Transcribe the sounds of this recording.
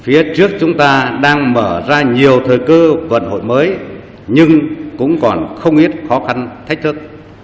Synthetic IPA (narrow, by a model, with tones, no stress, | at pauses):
fi˨˦ət͡ɕɨ˦˥ək̚t͡ɕʊ˨˦ŋ͡mt̪aː˧ɗaː˧ŋməː˧˩zaː˧ɲi˨˩əwt̪ʰəː˨˩jkɨ˧və̰˧˨nho̰˧˨jməː˨˦j | ɲɨ˧ŋkʊ̰˧˥ŋ͡mkɔ˨˩nxə˧wŋ͡mʔi˦˥ət̚xɔ˨˦xa˧nt̪ʰk̟̚t̪ʰɨ˦˥k̚